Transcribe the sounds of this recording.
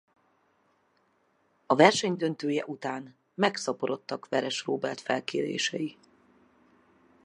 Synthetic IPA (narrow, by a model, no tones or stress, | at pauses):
ɒvɛrʃɛɲd̪ønt̪øːjɛʔut̪aːn | mɛksɒpoɾo̞t̪ːɒkʋɛɾɛʃroːbɛlt̪fɛlkeːɾḛːʃɛji